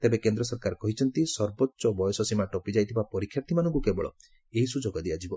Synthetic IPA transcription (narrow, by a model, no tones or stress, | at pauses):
t̪ebekend̪ɾɔsɔɾkaɾkɔɦit͡ʃʰɔnt̪isɔɾbɔtːʃɔbɔjɔsɔsimaʈɔpid͡ʒajt̪ʰibapɔɾikʰːjaɾt̪ʰimanɔ̃ŋk̬ukebɔɭɔ̰ | eɦisud͡ʒoɡɔd̪iad͡ʒibɔ